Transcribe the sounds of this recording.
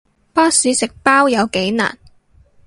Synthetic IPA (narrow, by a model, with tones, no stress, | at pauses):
paː˥syː˨˥sɪ˨k̚paː˥wjɐ˨˧wke˨˥jna̰ː˨˩n